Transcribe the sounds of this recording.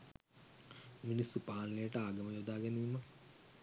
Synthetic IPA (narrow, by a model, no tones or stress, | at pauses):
minisupaːnːejəʈəaːɡɐməjod̪aːɡæniːmə